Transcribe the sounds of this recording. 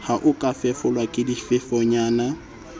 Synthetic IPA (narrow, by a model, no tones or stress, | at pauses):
haʔʊkʼafɛfɔlwakʼɪdifɪfɔɲaːna